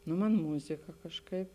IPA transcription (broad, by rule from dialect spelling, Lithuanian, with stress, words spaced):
ˈnʊ ˈmɐn ˈmʊzʲɪkɐ kɐʃˈkɐɪp